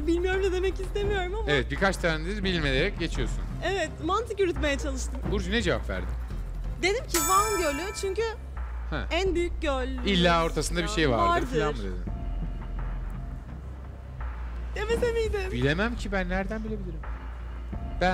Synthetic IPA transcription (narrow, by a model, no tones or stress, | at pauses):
bilʲmijo̞ɾumd̪ad̪e̞mɛcist̪e̞mijo̞ɾumamevɛt̪̚biɾkʰat͡ʃt̪ʰaːnd̪izbilʲme̞lʲeɾɛc̚ɟe̞t͡ʃʰijo̞sunevɛt̪mant̪ʰɯkyɾyt̪me̞jɛt͡ʃʰalˠɯʃt̪ʰɯmbuɾd͡ʒuned͡ʒe̞va̰pvæ̰ɾd̪ḭ | d̪e̞d̪imcʰivaɟølʲyt͡ʃʰyɲcy | hɛ̰ænbyjyc̚ɟølʲilʲːaːo̞ɾt̪ʰasɯnd̪abiʃe̞jva̰vɾadɯɾɾdfiɯlʲˠanɾɯd̪ḛɪm | d̪emesemijd̪ɪmbilʲe̞mæmcʰibænːæɾd̪ænbilʲe̞bilʲiɾim | b̥æ